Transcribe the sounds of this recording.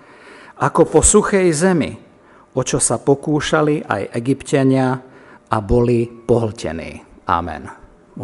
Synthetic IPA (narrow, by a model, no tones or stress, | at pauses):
akɔpɔsuxɛjzɛmḭ | ɔt͡ʃɔsapɔkuːʃaliʔa̰jʔɛɡipcaɲɪaʔabɔlipɔɦl̩cɛ̰nḭːʔa̰mɛ̰n